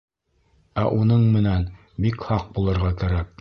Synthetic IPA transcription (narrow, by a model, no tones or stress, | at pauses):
æʔunɤɴmɘ̆næn | bikhɑq̚bulˠɤ̆ɾʁɑkæɾæk̚